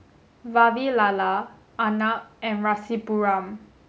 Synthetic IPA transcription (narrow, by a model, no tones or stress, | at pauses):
vavilala | ʔanaʔɛ̃nɹasipuɹãm